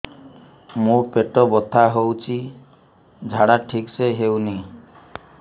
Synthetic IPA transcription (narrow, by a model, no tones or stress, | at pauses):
mũpeʈɔbɔt̪ʰaɦowt͡ʃʰi | d͡ʒʱaɽaʈʰikseɦewni